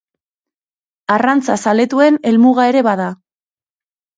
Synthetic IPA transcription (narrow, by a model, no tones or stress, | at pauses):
arant͡sasale̞t̪ue̞ne̞lmuɣae̞ɾe̞βað̞a